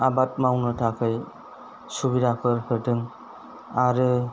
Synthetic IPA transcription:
abat̚mawnɯtʰakʰɯj | subidakʰɯɾhɯdɯŋ | aɾɯ

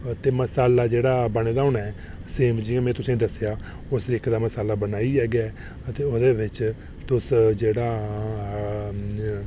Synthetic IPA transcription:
t̪eːməsaːlaːd͡ʒeːɽaːbəñeːd̪aːʊnaɛː | seːmd͡ʒiːãːmɛ̃ːt̪ʊsẽːd̪əsejaː | ʊsɾɪkʰd̪aːməsaːlaːbənaːiːɛːɡjaːɛː | ət̪eːod̪eːʋɪt͡ʃ | t̪ʊsd͡ʒeːɽaː

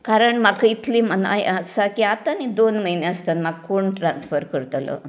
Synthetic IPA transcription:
kaɾəɳʈmaɡkʰəit̪liːmana̰jsakiat̪anid̪onməjneəst̪anmaɡ̚koɳʈɾansfəɾkəɾt̪alo̰

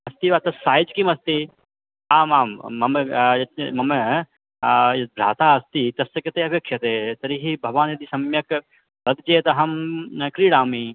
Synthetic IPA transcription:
ɐst̪iʋaːt̪ɐsːaːjid͡ʒkimɐst̪i | aːmaːmːɐmjɐmɐm | jɐb̪ɾa̰ːt̪aːɐst̪it̪ɐsɐkɐt̪eːɐpjɐkʃjɐt̪eːt̪ɐɾiɦibʱɐʋaːnjɐd̪isɐmjɐk | bɐd̪t͡ʃeːt̪ɐɦɐmkɾiːɽaːmi

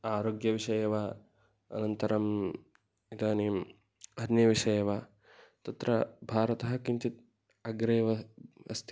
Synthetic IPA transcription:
aːɾoːɡjɐʋiʃɐjɐʋaː | ɐ̰nɐnt̪ɐɾɐm | it̪aːni | ɐnjɐʋiʃɐjɐʋaː | t̪ɐt̪ɾɐbʱaːɾɐt̪ɐɦɐ̆kiɲt͡ʃit̪̚ | ɐɡɾejʋɐɐ̰st̪ʰ

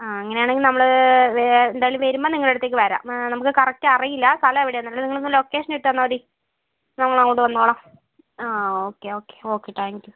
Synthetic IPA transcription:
aɐŋːɐnejaːɳeŋɡilnɐmːɐɭɨ | end̪aːjilʋɐɾumboːniŋːɐɭeɽɐt̪ːeːkːɨʋɐɾa̰ːmnɐmukːɨkɐrɐk̚tːɨɐrijilːɐst̪ʰɐlɐmeʋiɽeɐnːaːlniŋːɐɭonːlo̞ːkːe̞ːʂɐneʈːɨɐnːɐʋɐɾi | nɐmukːɐɭnɐmːoɳʈːɨʋɐnːoːɭɐm | aːoːkːeo̞ːkːe̥o̞ːkːeʈ̪ːʰaːŋkju

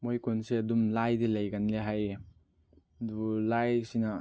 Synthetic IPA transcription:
mojkʰunseɐdumlajdilajɡanleɦaj | duulajsina

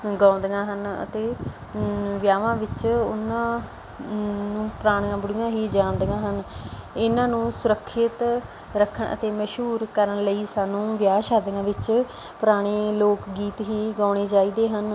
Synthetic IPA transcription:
ɡãːnd̪ɡãːɦənə̰t̪eː | ʋjaːʋãːʋɪt͡ʃʊ̰nãː | nũːpɾaːɽ̃jãːbʊɽɪjãːɦiːd͡ʒaːnd̪ɡãːɦənɪnãːnũːsʊɾəkʰːɪt̪ | ɾəkʰːəɳə̰t̪eːməʃɦuːɾkəɾənləiːsaːnũːʋjaːʃaːd̪ɡãːʋɪt͡ʃ | pʊɾaːɽ̃eːloːkɡiːt̪ɦiːɡãːɽ̃eːd͡ʒaːiːd̪eːɦən

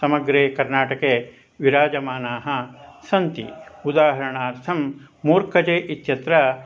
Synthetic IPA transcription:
sɐmɐɡɾeːkɐɾnaːʈɐkeː | ʋiɾaːd͡ʒɐmaːnaːɦɐsɐnt̪ḭud̪aːɦɐɾɐɳaːɾt̪ʰɐmː | uːɾkɐt͡ʃeːʔit̪jɐt̪ɾɐ

